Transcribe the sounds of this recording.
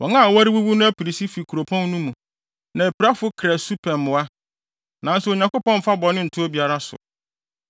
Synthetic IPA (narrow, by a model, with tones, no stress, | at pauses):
wɔ˨ŋã˦˨wa˦ɾi˦wu˦bu˦nʊ̃˦æ˦pi˨ɾi˨si˦fi˨kʰu˨ɾo˨pʰɔ̃˦n˦nũ˦mũ˨ | nã˨æ˨pʰi˨ɾa˦fʊ˦kʰɾæ˨su˦pʰɛ̃˨mmʊ̃˨a˦ | nã˨˦n˦sʊ˦o˨ɲã˨kʊ˦pɔ̃˦m˦fa˦bɔ˨nɪ̃˦n̩˨tʰʊ˦o˦bi˨a˨ɾa˦sʊ̰˨